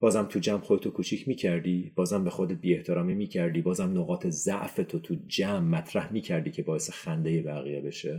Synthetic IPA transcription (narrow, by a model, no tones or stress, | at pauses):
b̥ɒːzæmt̪ʰud͡ʒæmχod̪et̪ʰokʰut͡ʃʰicʰmiːcʰæɾd̪iːb̥ɒːzæmbexo̞d̪et̪̚biːeht̪ʰe̞ɾɒːmiːmiːcʰæɾd̪iːbɒːzæmnoɣɒːt̪ʰe̞zæʔfe̞t̪ʰot̪ʰud͡ʒæmːæt̪ʰɾæhmiːcʰæɾd̪iːcʰe̞bɒːjesexænd̪e̞jebæɣḭjebe̞ʃe